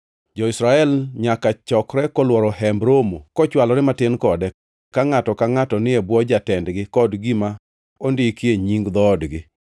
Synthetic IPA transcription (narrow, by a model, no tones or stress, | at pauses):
d͡ʒɔɪsɾaɛlɲakat͡ʃɔkɾɛkɔlwɔɾɔhɛmbɾomokɔt͡ʃwalɔɾɛmatɪnkɔdɛ | kaŋatɔkaŋatɔnɪebwɔd͡ʒatɛndɡɪkɔdɡima | ondɪkieɲiŋɡd̪ɔdɡɪ